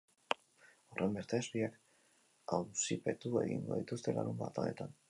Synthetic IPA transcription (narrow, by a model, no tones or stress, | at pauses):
o̞rʔe̞mbe̞ɾt̪eːzβiak | awsipe̞t̪ue̞ɣḭŋɡo̞ðit̪ust̪e̞la̰ɾumba̰t̪ane̞t̪an